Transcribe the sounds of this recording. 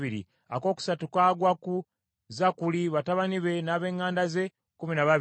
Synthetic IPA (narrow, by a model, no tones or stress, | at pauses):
iɾḭ | a̰ko̞ːku̥satukwaːɡwaku | zakuliβataβaniβe̞naːβe̞ːŋːaːndaze̞ | kuminaβaβ